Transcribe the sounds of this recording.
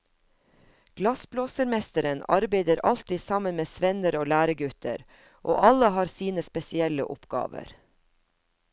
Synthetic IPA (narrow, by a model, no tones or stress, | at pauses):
ɡ̥lɑsbloːsəɾmɛst̪əɾənɑ̰ɾbeɪd̪əɾʔɑ̰lt̪iːsɑmənmeːsʋɛnəɾoːlæːɾəɡʉt̪ʰə̰ɾ | ʔo̰ːʔɑləhɑːɾsiːnəspɛsɪɛlə̰ʔʊpɡ̥ɑ̰ːʋə̰ɾ